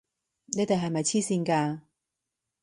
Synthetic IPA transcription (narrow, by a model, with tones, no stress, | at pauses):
ne˨˥t̪ɐ˨ɦɐ˨jmɐ˨jt͡sʰiː˥siː˧nkaː˧